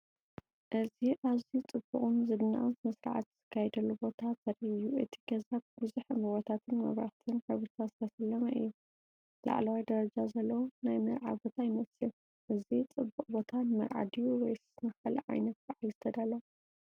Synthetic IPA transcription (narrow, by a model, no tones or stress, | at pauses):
ʔɨziʔazit͡sʼɨbːuχʼunzɨβna̰wnzmɐsɾa̰ʕa̰t̪ɨz̥ɨ̥kʰːajɛd̪ɐlːubo̞t̪ʰazɐɾʔɨjːuʔɨt̪ʰi̥ɡɐzat̚bɨzuħmɨwot̪ʰat̪ʰɨnmɐ̰βɾa̰xt̪ʰɨnkʰɐβɨɾt̪ʰazɨt̪ʰɐsɐlːɐmɐʔɨ̰jːu | la̰ʕlɐwajd̪ɐɾɐd͡ʒazɐlːɐwonajmɐɾʕa̰bo̞t̪ʰajɪmɐsɐ | ʔɨzit͡sʼɨbːuqʼbo̞t̪ʰanɨmɐ̰ɾʕa̰d̪ijuwɔjsɨ̥snɐxɐlɐ̰ʕa̰jnɐt̪̚baʕalzɨt̪ʰɐd̪alːɐw